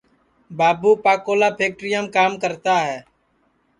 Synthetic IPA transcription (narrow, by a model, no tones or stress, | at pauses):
baːbuːpaːkoːlaːpʰeːk̚ʈɾɪjəmkaːmkəɾt̪aːɦɛː